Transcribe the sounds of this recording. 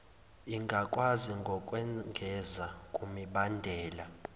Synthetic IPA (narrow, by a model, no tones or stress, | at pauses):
iŋɡʱakʼwaziŋɡʱɔkʼwɛŋɡʱɛzakʼumiɓandʱɛːla